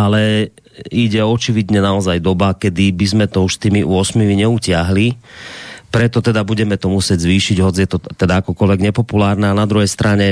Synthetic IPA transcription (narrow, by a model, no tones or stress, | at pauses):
alɛ | iɟɛɔt͡ʃiʋid̪ɲɛnaɔzajd̪ɔbakɛd̪ibizmɛt̪ɔuʃst̪iːmiʔṵʊɔsmiʋiɲɛucɪaɦli | pɾɛt̪ɔt̪ɛd̪abuɟɛmɛt̪ɔmusɪɛɟzʋiːʃiɟɦɔd͡zt͡sijɛt̪ɔt̪ɛd̪aakɔkɔlʋɛɡɲɛpɔpulaːɾnɛanad̪ɾuɦɛjst̪ɾʔaɲɛ